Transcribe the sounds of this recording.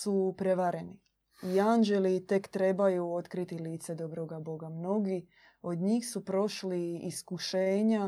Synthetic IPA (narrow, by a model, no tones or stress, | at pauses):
supɾe̞ʋaɾeni | iand͡ʒe̞lit̪e̞kt̪ɾe̞bajuo̞t̪kɾit̪iliːt̪se̞d̪o̞bɾo̞ɡabo̞ɡamno̞ɡi | o̞d̪ɲiːxsupɾo̞ʃliiskuʃeːɲa